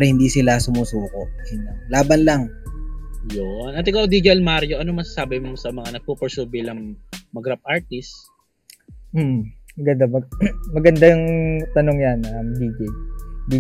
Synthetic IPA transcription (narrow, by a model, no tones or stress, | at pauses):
ɾɐhɪnd̪iːsɪlasʊmuːsuːkoʔɪnalaːbɐnlaŋ | jonʔɐt̪ɐɡaʔod̪iɡɐlmaɾjoʔɐnomɐsasaːbɪmosɐmɐŋanɐɡ̚pupɛɹsuːbɪlɐŋmɐɡɾap̚ʔaɹt̪ɪs | m̩ːmɐɡɐnd̪amɐmɐɡɐnd̪ajʊŋt̪ɐnoŋjanɐmd̪iːɡɛd̪i